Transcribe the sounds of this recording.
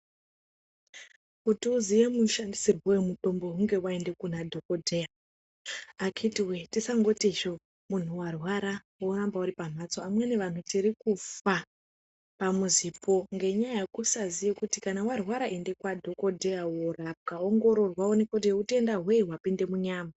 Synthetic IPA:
kutiuzijemuʃandisirwowemuto̞mbo̞ɦuŋɡe̞wae̞nde̞kunadʱo̞ko̞dʱeja | akʰitiwetisaŋɡo̞tiʃo̞ | mun̤uwarwaɾa | worambauɾipam̤at͡so̞amwene̞ʋan̤utiɾikufa | pamuzipo̞ŋɡe̞ɲajajekusazijekutikanawarwaɾaʔende̞kwadʱo̞ko̞dʱeaworap̚kaoŋɡo̞ɾo̞rwaonekoteute̞ndaɦwe̞iɦwapinde̞muɲaːma

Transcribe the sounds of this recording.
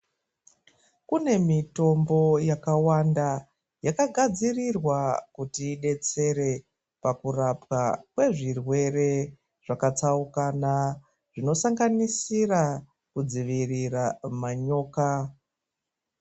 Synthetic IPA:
kune̞mito̞mbo̞jakawanda | jakaɡʱad͡zirirwakutiːɗe̞t͡se̞ɾe̞ | pakurapwakwe̞ʐirwe̞re̞ | ʐ̥akat͡saukana | ʐ̥ino̞saŋɡanisira | kud͡ziʋiriramaɲo̞ːka

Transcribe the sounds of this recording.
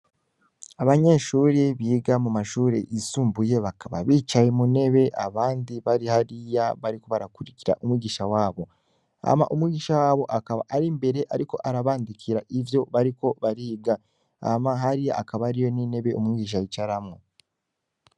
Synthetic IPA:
aβaɲe̞ːʃuːɾeβiːɡamumaʃuːɾe̞̰ʔisuːmbuje̞βakaβa̰βiːt͡ʃajemune̞βe̞ʔaβaːndiβaɾihaɾijaβaɾiko̞βaɾakuɾiciɾa̰ʔumwiːɟiʃawaːβo̞ | a̰ma̰ʔumwiːɟiʃawaːβo̞ʔakaβa̰ʔaɾimbe̞ɾe̞ʔaɾiko̞ʔaɾaβaːndikʰiɾaʔivjo̞βaɾiko̞βaɾiːɡa | a̰maɦaɾija̰ʔakaβaːɾijo̞nine̞βe̞ʔomwiːɟiʃ̬ajit͡ʃaɾamo

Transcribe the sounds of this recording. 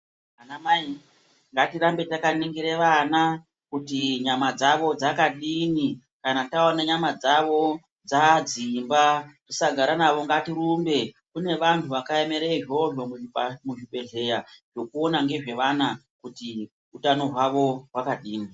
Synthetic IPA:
anamai | ŋɡatirambe̞takaniŋɡiɾeʋana | kutiɲamad͡zaʋo̞d͡zakaɗini | kanataonaɲamad͡zaʋo̞ | d͡zad͡zimbarisaɡʱaɾanaʋo̞ŋɡatiɾumbe̞ | kune̞ʋantʰuʋakaeme̞ɾeiʒo̞ʐomumuʐipe̞ɮe̞jaʐ̥o̞kuo̞naŋɡe̞ʐe̞ʋana | kuti | utano̞ɦwaʋo̞wakaɗiːni

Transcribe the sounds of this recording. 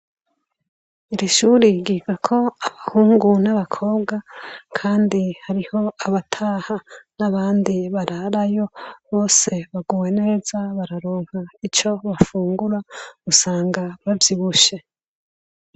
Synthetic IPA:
iɾiʃuːɾiɡiɡakʰo̞aβahuːŋɡunaβakʰo̞ːbɡakʰaːndihaɾiho̞aβatʰahanaβaːndiβaɾaɾajo̞βo̞ːse̞βaɡuwe̞nezaβaɾaɾo̞ːŋ̥hait͡ʃo̞βafuːŋɡuɾausaːŋɡaβavjiβuʃe̞

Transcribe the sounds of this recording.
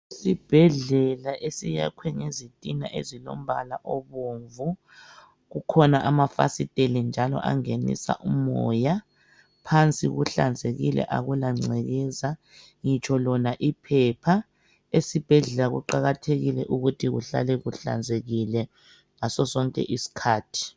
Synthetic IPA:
sib̥ʱɛɮɛlaʔesija̰kʰwɛŋezitʼina̰ʔezilo̰m̩βalaʔɔβoːɱvu | ɣukʰɔnaʔamafa̰sitʼelind͡ʒʱalɔ̰ʔa̰ŋenḭsa̰ʔumɔ̰ːja | pʰant͡sʼḭɣṵɬand͡zʱeɣilɛ̰ʔaɣulaŋ͡ǀɛɣɛza | ŋit͡ʃʰɔlɔnaʔipʰɛpʰa | esib̥ʱɛɮɛlaɣṵǃaɣatʰeɣilɛʔuɣutʰiɣuɬa̰lɛɣuɬa̰nd͡zʱeɣilɛ | ŋasɔsɔŋkʼɛ̰ʔisi̥kʰaːtʰi̥

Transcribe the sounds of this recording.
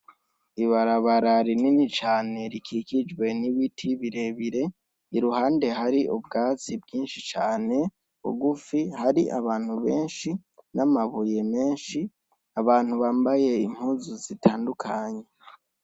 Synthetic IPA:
iβaɾaβaɾaɾininit͡ʃaːne̞ɾikʰikid͡ʒɡwe̞niβitʰiβiɾe̞βiɾe̞ | iɾuhaːnde̞haɾiʔubɡaːt͡sibɡiːnʃit͡ʃaːne̞ | βṵɡufihaɾiʔa̰βaːn̥huβe̞ːnʃinamaβuje̞me̞ːnʃi | aβaːn̥huβaːmbaje̞im̥huːzuzitʰaːndukʰaɲe̞

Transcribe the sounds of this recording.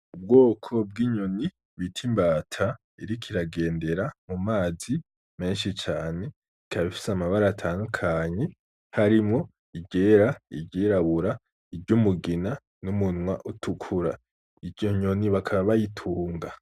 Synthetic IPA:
ub̚ɡo̞ːkʰo̞b̚ɡiɲoni | βitʰimbaːtʰa | iɾikʰiɾaɡe̞ːnde̞ɾamumaːzi | me̞ːnʃit͡ʃaːne̞ | ikʰaβifi̥samaβaɾaːtʰaːnukʰaːɲe | haɾimŋo̞ | iɟeɾaḭɾɟiɾaβuɾa | iɾɟumuɡina | numunŋwa̰ʔutʰukʰuɾa̰ | iɾɟo̞ɲo̞niβakʰaβaβajitʰuːŋɡa

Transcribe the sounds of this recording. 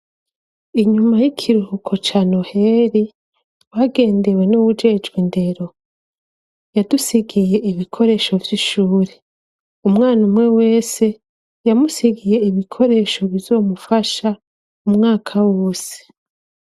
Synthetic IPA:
iɲumajikʰiɾuhukʰo̞t͡ʃano̞he̞ːɾi | waɡe̞ːnde̞we̞nuwud͡ʒe̞d͡ʒɡwinde̞ɾo̞ | jadusiɡije̞ʔiβikʰo̞ɾe̞ːʃo̞vjiʃuːɾe̞ | umŋaːnumwe̞we̞ːse̞ | jamusiɡije̞iβikʰo̞ɾe̞ːʃo̞βizo̞ːmufaʃa | umŋaːkʰawoːse̥

